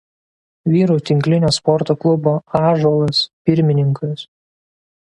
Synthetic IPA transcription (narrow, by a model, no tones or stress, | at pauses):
ʋʲiːɾuːt̪ʲɪŋʲklʲɪnʲoːspɔɾt̪oːklˠʊboːɑːʒoːlˠɐspʲɪɾʲmʲɪnʲɪŋkʊs